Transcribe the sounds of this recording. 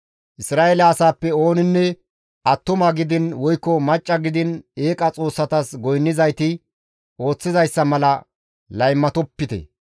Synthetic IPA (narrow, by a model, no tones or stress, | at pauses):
ʔɪsɾaːʔelɐːsaːpːɛo̞ːnɪnːɛ | ʔɐt̪ːʊmɐɡɪd̪ɪnwɔjkːɔmɐt͡ʃʼːɐɡɪd̪ɪneːkʼɐt͡sʼo̞ːsːɐt̪ɐsɡɔjnːɪzɐjt̪ɪ | o̞ːt͡sːɪzɐjsːɐmɐlɐ | lɐjmːɐt̪ɔpːɪt̪ɛ̰